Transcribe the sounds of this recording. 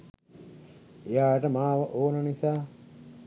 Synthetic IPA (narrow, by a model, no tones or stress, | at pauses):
ejaːʈəmaːʋəʔoːnənisaː